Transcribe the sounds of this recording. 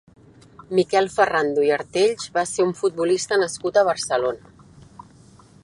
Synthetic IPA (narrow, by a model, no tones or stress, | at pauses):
mikɛlˠfərand̪uiəɾt̪eʎʒβaseuɱfut̪̚bulist̪ənəskut̪əβ̞ərsəlonə